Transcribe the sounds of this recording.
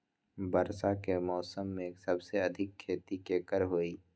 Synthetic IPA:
bəɾsakemɔːsəmːẽeːksɐbseɐd̪ʱɪkʰːeːt̪ikeːkəɾɦoːiː

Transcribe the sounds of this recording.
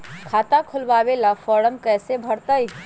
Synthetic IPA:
kʰat̪ãkʰulbabelapʰɔɽəmkəsebʱəɾt̪əj

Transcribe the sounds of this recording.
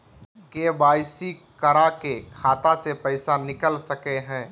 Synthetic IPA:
kebaːɪsikɐɾakekʰaːt̪asepɛɪsanɪkəlsɐkeɦɛ̃ː

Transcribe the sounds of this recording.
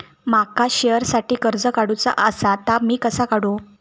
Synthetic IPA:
makaɕejəɾsaʈiːkəɾd͡zəkaɽut͡sa̰ʔəsat̪amiːkəsakaɽu

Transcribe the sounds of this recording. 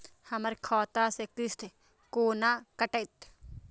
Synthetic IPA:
hɐmɐɾkʰɔːt̪aːsek̚t̪ist̪ʰe | koːnaːkɐʈɐt̪

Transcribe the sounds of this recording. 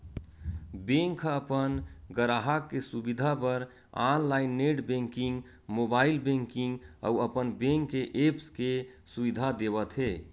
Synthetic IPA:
bẽŋkʰəpənɡəɾaɦakːesubid̪ʱapəɾ | anlainːeʈbẽŋkiŋɡ | mobailbẽŋkiŋɡə̰uəpənbẽŋkːeʔepske | subid̪ʱad̪eβət̪ɦe

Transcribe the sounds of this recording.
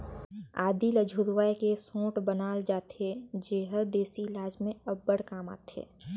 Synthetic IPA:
aːd̪iləd͡ʒʱuɾʋaːjkesõːʈbənaːld͡ʒaːt̪ed͡ʒeːɦəɾd̪eːsilaːd͡ʒmẽɐbːəɽkaːma̰ːt̪ḛː

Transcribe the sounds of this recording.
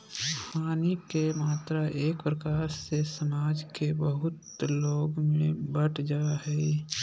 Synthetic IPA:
haːnikemaːt̪ɾaʔeːkpɾəkaːɾsesəmaːd͡ʒkebəɦʊt̪ | loːɡmẽbəʈd͡ʒaːɦɛː

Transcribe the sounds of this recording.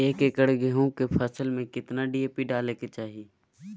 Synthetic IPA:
eːkekəɽɡeɦõkepʰəsəlmẽkɪt̪naɖiːeːpiɖaːleket͡ʃaːɦieː

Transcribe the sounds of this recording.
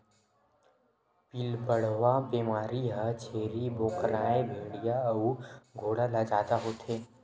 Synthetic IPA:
pilbəɽ̤ʋabeːmaːɾiɦat͡ʃʰeːɾiboːkɾaːebʱeːɽijaɐuɡʱoːɽalad͡ʒaːd̪aɦoːt̪ʰeː

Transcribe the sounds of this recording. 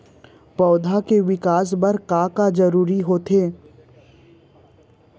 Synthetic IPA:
pɔːd̪ʱakeʋɪkaːs̬bɐɾkaːkad͡ʒɐɾuːɾiɦoːt̪ʰeː

